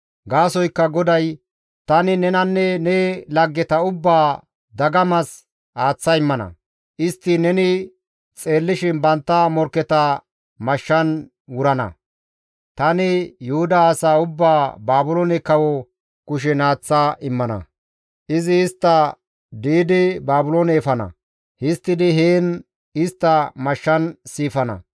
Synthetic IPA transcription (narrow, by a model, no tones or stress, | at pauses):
ɡaːsɔjkːɐɡɔd̪ɐj | t̪ɐnɪnɛnɐnːɛnɛːlɐɡːɛt̪ɐʊbːaː | d̪ɐɡɐmɐs | aːt͡sːɐɪmːɐnɐ̰ | ʔɪst̪ːɪnɛnɪ | t͡sʼe̞ːlːɪʃɪnbɐnt̪ːɐmɔɾkːɛt̪ɐ | mɐʃːɐn | wʊɾɐnɐ̰ | t̪ɐnɪjʊhʊd̪ɐːsaːʊbːaːbaːbʊloːnɛkɐwɔ | kʊʃ̬ɛnaːt͡sːaʔɪmːɐnɐ̰ | ʔɪzɪɪst̪ːɐ | d̪iːd̪ɪbaːbʊloːnɛːfɐnɐ̰ | hɪst̪ːɪd̪ɪɦeːn | ɪst̪ːɐmɐʃːɐnsiːfɐnɐ̰